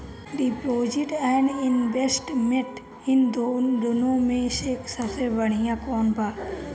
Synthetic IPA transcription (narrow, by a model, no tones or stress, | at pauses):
d̪ipoːd͡ʒɪʈɛ̃ɳɖɪnbesʈmeʈ | ɪnd̪od̪ʊnõmẽʃeːksɐsebəɳ̃ijãkɔːnbaː